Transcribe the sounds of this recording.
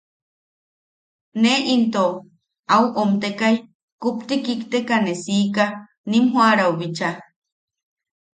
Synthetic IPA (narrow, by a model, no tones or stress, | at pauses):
neint̪o | auʔomt̪ekaj | kupt̪ikikt̪ekanesiːka | nimɦwaɾauβit͡ʃa